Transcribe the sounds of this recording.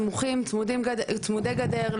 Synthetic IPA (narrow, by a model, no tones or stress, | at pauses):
muχimt͡smudimɡt͡smud̪ejɡad̪eʁl